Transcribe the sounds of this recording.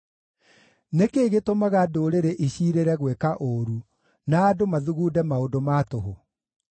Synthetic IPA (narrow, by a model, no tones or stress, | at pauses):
nekeɣetomaɣadoɾeɾeʔiɕiːɾeɾɛɣwɛkaʔoɾu | naːdomaðuɣuːdɛmaodomaːtoɦo